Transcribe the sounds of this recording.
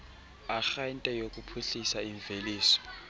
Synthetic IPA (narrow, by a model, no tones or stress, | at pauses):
axaintʼɛjokʼupʰuɬisaiɱveliːsɔ̥